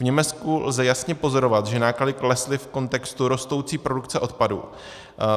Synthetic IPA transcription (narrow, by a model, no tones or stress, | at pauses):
vɲɛmɛt͡skulzɛjasɲɛpo̞zo̞ɾo̞vat̪ʒɛnaːkladɪklɛslɪfko̞nt̪ɛkst̪uɾo̞st̪owt͡siːpɾo̞dukt͡sɛʔo̞t̪padṵː